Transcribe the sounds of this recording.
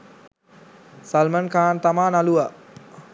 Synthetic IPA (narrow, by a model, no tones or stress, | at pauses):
salmənkaːnt̪amaːnalua